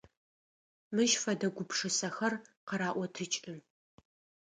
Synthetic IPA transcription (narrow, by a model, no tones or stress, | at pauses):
mɨʒfɐdɐɡʷʊpʂɨsɐxɐrqɐɾaːʔʷɔtʰɨt͡ʃʼɨm